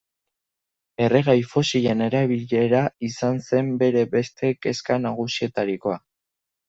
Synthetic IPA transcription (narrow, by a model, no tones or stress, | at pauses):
e̞reɣ̞ajfo̞siʎe̞ne̞ɾaβiʎe̞ɾaisanse̞mbe̞ɾe̞βe̞st̪e̞ke̞skanaɣ̞usie̞t̪aɾiko̞a